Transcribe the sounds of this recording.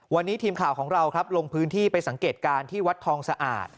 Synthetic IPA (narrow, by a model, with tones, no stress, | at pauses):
wa˧nːiː˦˥t̪ʰiː˧mkʰaː˨˩wkʰɔː˩˦ŋɾa˧wkʰɾa˦˥p̚lo˧ŋpʰɯː˦˥nt̪ʰiː˥˩pa˧jsa˩˦ŋkeː˨˩t̪̚kaː˧nt̪ʰiː˥˩wa˦˥t̪ʰːɔː˧ŋsa˧ʔa̰ː˨˩t̪̚